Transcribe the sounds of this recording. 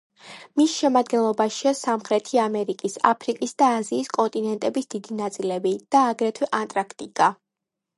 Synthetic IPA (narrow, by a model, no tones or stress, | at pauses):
misʃɛmad̪ɡɛnlˠɔbaʃiasamχɾɛt̪ʰiamɛɾikʼisa̰pʰɾikʼisd̪aːziːskʼɔnt̪ʼinɛnt̪ʼɛbisd̪̥id̪inat̪sʼilɛbid̪̥aːɡɾɛt̪ʰwɛʔant̪ʼɾakʰt̪ʼikʼa